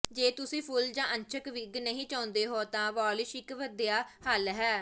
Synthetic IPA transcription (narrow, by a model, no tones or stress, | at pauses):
d͡ʒeːt̪ʊsĩːpʰʊld͡ʒãːʔəɲt͡ʃʰəkʋɪɡnəɦĩːt͡ʃãːnd̪eːɦoːt̪ãːʋɔːlɪʃɪkʋəd̪ijaːhəlɦɛː